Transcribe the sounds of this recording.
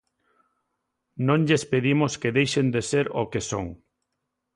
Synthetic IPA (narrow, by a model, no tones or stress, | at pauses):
nõŋʎespeðimoskeðejʃend̪eseɾokeso̰ŋ